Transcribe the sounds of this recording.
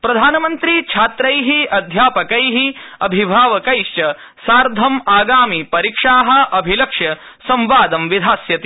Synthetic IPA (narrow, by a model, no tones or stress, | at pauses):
pɾɐd̪ʱaːnɐmɐnt̪ɾit͡ʃʰaːt̪ɾɐjɦiɐd̪ʱjaːpɐkɐjɦiɐbʱibʱaːʋɐkɐjʃt͡ʃɐ | saːɾd̪ʱɐmaːɡaːmipɐɾikʂaːɦɐ̆ɐbʱilɐkʂɐ | sɐ̃mʋaːd̪ɐmʋid̪ʱaːsjɐt̪i